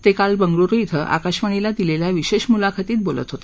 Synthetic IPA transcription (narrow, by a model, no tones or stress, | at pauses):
t̪ekalbəŋɡɭuɾuit̪ʰəʔa̰kaɕʋəɳ̃ilad̪ileljaʋiɕeɕmulakʰat̪iːt̪̚bolə̰t̪ɦot̪e